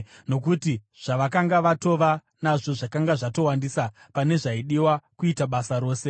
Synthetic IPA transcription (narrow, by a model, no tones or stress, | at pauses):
no̞kuti | ʐ̥aʋakaŋɡaʋato̞ʋa | naʐo̞ʐakaŋɡaʐato̞wandisa | pane̞ʐaiɗiwakuitaɓasaɾo̞ːse̞